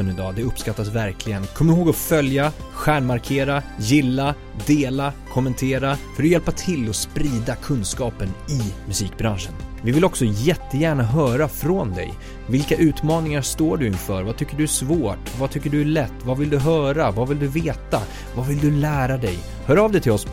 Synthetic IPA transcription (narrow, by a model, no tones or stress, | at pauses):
ənɪd̪ɑːd̪ɛɵpːskat̪ːasvæɾkʰlɪɡənkʰɔmːɪɾɦoːɡɔfœlja | ɧæːɳmaɾkʰeːɾajɪlːa | d̪eːlakʰɔmːənt̪ʰeːɾafœɾɔjɛlpat̪ʰɪlːɔspɾiːd̪akʰɵnskɑːpənɪmɵsiːk̚bɾanʂənvɪvɪlɔksɔjɛt̪ːəjæːɳaɦœːɾafɾɔnd̪ɛ̰j | vɪlkaʔʉ̟ːt̪mɑːnɪŋaɾʂt̪oːɖɵɪnfœ̰ːɾvat̪ʰʏkːəɖɵæʂvoːʈvat̪ʰʏkːəɖɵæɭɛt̪ːvavɪld̪ɵɦœːɾavavɪld̪ɵveːt̪a | vavɪld̪ɵlæːɾad̪ɛj | hœːɾɑːvd̪ɛt̪ʰɪlɔs